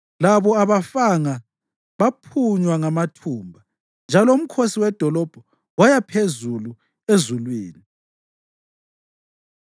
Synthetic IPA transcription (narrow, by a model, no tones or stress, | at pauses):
laβɔaβafaŋa | βapʰuɲwaŋamatʰuːmbʱa | nd͡ʒʱalɔum̩kʰosiwɛd̥ʱɔlɔb̥ʱɔ | wajapʰezulu | ezulwiːni